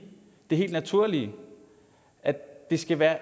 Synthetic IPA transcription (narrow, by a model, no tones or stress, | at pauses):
d̥e̝ɦe̝̰ld̥næt͡sʰuɐ̰li | ʔæd̥e̝sɡ̥æʋæːɐ